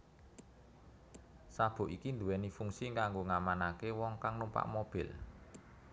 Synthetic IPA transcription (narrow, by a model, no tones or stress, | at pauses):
sab̥o̤ʔikind̪uwɛnifuŋsiŋkaŋɡoŋamanakewɔŋkaŋnumpa̰ʔmob̥ɪ̤l